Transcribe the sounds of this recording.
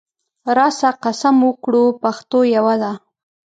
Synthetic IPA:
ɾɑsaqasamwəkɽupaxt̪ojawad̪a

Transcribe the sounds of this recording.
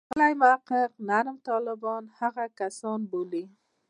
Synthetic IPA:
qəlajmʊaqːəqnaɾmt̪ɑlɪbɔnhaɣakasɔnboli

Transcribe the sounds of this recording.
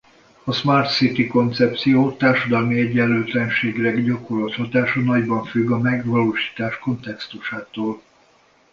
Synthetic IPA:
ɒsmart̪sit̪iko̞nt̪sɛp̚t̪sijoːt̪aːrʃɒd̪ɒlmiɛɟːɛlːøːt̪lɛnʃeːɡilɛɡɟɒko̞rlɒt̪hɒt̪aːʃɒnɒɟbɒɱfyɡːɒmɛɡʋɒloːʃi̥ːt̪aːʃko̞nt̪ɛkst̪uʃaːt̪oːl

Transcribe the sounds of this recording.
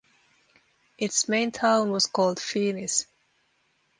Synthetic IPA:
ʔɪtsmẽɪ̃ntʰãʊ̃nwʌz̥kʰɔːlˠd̥fiːnɪs

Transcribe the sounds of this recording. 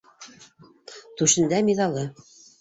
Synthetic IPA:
t̪ʉʃɘ̆nd̪æmiðɑlˠɤ

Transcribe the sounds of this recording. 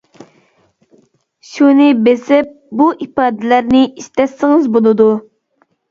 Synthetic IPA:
ʃunɪbesɪp̚buʔipɑːd̪ɪlæɾnɪiʃt̪ɛsːɪŋɪzbolˠɨd̪u

